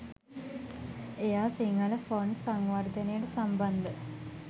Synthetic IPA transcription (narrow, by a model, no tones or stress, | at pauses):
ejaːsiŋɐlɐfoɳɖsaŋʋɐrd̪ɐnejɐʈəsɐmbɐnd̪ə